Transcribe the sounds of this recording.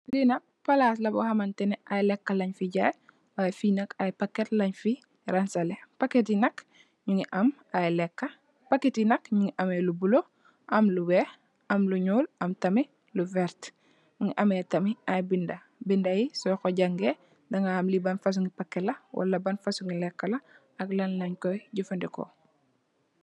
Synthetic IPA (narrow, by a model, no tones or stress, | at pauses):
linɐ | pɐlaːslɐbohɐmɐntɛnɛʔajlɛkːɐlɐɲfiɟaːj | wajfinɐkajpakːetlɐɲfi | ɾansɐlepaket̬inɐk | ɲuŋiʔɐm | ajlɛkːɐ | pɐkːetinɐkɲuŋiʔɐmelubulo | ʔɐmluwɛ | ʔɐmluɲuːlɐmtɐmi | luvɛɾt | ɲuŋiʔɐmetɐmiajbindɐ | bindɐjisɔjkɔɟɐŋɡe | dɐŋaːmlibɐnfɐs̬uŋipakːɛlɐwʔɐ̰lːɐbɐnfɐsuŋilɛkːɐlɐ | ɐklɐnlɐɲkɔjɟufɐndɛko̰